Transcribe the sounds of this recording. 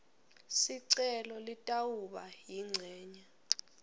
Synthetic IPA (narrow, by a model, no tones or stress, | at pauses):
siǀɛlɔlitʼawuɓajiŋ͡ǀʱɛːɲa